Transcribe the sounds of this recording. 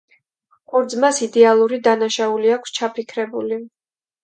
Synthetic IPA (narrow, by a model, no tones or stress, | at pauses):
χʼuɾd̪zmasid̪ɛalˠuɾid̪anaʃauliakʰst͡ʃʰapʰikʰɾɛbuli